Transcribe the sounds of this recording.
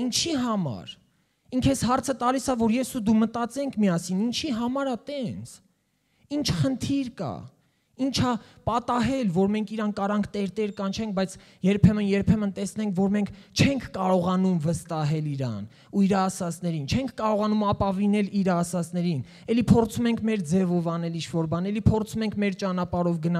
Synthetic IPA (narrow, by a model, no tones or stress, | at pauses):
int͡ʃʰiɦɑmɑ̰ɾ | iŋkʰɛsɦɑɾt͡sʰət̪ɑlisɑvɔɾjɛsud̪umət̪ɑt͡sɛŋkʰmiɑsinint͡ʃʰiɦɑmɑɾɑt̪ɛnt͡sʰ | int͡ʃʰχənt̪ʰiɾkɑ̰ | int͡ʃʰɑpɑt̪ɑɦɛlvɔɾmɛŋkʰiɾɑnkɑɾɑŋkʰt̪ɛɾt̪ɛɾkɑnt͡ʃʰɛŋk̚ʰbɑjt͡sʰ | jɛɾpʰɛmənjɛɾpʰɛmənt̪ɛsnɛŋkʰvɔɾmɛŋkʰt͡ʃʰɛŋkʰkɑɾɔʁɑnumvəst̪ɑɦɛliɾɑ̰n | uiɾɑːsɑt͡snɛɾint͡ʃʰɛŋkʰkɑɾɔʁɑnumɑpɑvinɛliɾɑːsɑt͡snɛɾin | ɛlipʰɔɾt͡sʰumɛŋkʰmɛɾd͡zɛvɔvɑnɛlint͡ʃʰvɔɾbɑnɛlipʰɔɾt͡sʰumɛŋkʰmɛɾt͡ʃɑnɑpɑɾɔvɡənɑ